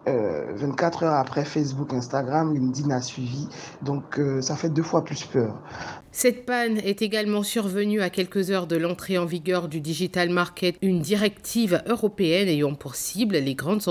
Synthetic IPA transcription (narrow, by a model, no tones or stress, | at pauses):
ø̰vɛ̃t̪̚kat̪χœʁapχɛfɛs̬bukɛ̃st̪aɡʁamynd̪inasɥivid̪ɔ̃køsafɛd̪øfwaplyspœːʁ | sɛt̪̚panɛt̪eɡalmɑ̃syʁvənyakʲɛlkəzœʁd̪əlɑ̃t̪χeɑ̃viɡʲœʁd̪yd̪iʒit̪almaʁkʲɛt̪ynd̪iʁɛkt̪ʰivøʁɔpeɛnejɑ̃pɔʁsiblleɡʁɑ̃d̪z